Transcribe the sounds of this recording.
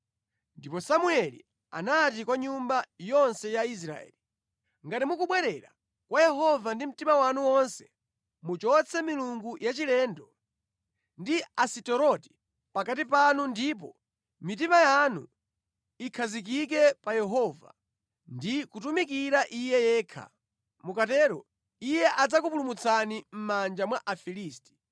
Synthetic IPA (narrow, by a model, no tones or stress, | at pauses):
ndipɔsamuɛlḭ | a̰natikwaɲumbajɔnsɛjais̬ɾa̰ɛ̰li | ŋɡatimukuɓwɛɾɛɾa | kwʔajɛɦɔvandim̩timawanuwɔnsɛ̥ | mut͡ʃɔt͡sʰɛmiluŋɡujat͡ʃilɛːndɔ | ndiasitɔɾɔti̥ | pakat̬ipanundipɔ | mit̬imajanṵ | ikʰazik̬ik̬ɛpajɛɦɔva̰ | ndikutumikiɾaʔijɛjɛːkʰa̰ | mukatɛːɾɔ̰ | ijɛʔad͡zakup̬ulumut͡sʰanim̩mand͡ʒamwaʔafiliːsti̥